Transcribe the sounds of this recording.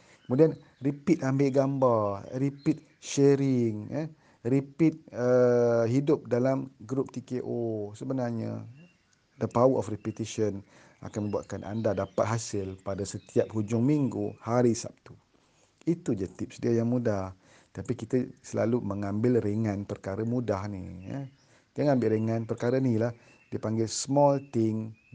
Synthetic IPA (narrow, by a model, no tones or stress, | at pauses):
kəmudian | ripit̪̚ambeʔɡambarripit̪̚ | ʃɛɾɪŋə | ripit̪̚əɦidʊp̚dalamɡɾʊp̚t̪ikeʔosəbənarɲa̰ | dəpawəɔfripit̪iʃən | ʔa̰kanmə̃mbuaʔ̪̚kanʔa̰ndadapat̪̚ɦasɪlpadasət̪iap̚hud͡ʒʊŋmiŋɡuhaɾisa̰p̚t̪u | it̪ud͡ʒət̪ɪp̚sədiajaŋmudah | t̪apikit̪əsəla̰luməŋãmbɪlreŋãnpərkaɾəmũdahnḭja̰ | diəŋãmbɪlɾeŋãnpərkaɾənilah | diəpaŋɡɪlsmɔlt̪ɪŋ